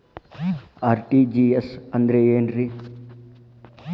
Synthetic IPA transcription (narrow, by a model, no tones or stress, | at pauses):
aːɾʈiːd͡ʒiːesɐnd̪ɾeːjeːnɾi